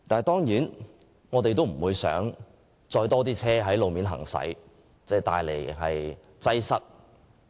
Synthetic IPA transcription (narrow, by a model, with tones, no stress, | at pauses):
t̪aː˨n˨jt̪ɔː˥ŋjiː˨˥n | ŋɔː˨˧t̪e˨jt̪o˥wm̩˨˩wuː˨˧jsœ̰ː˨˥ŋ | t͡sɔː˧jt̪ɔː˥t̪̬iː˥t͡sʰɛː˥ɦɐ˨˥jlo˨wmiː˨nɦɐ̰˨˩ŋsɐ̰˨˥j | t͡sɛː˥˧t̪aː˧jle˨˩jɦɐ˨j | t͡sɐ˥jsɐ˥k̚